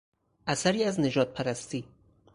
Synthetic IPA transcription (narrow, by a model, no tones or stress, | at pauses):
ʔæsæɾiːæzne̞d͡ʒɒːd̪̚pʰæɾæst̪iː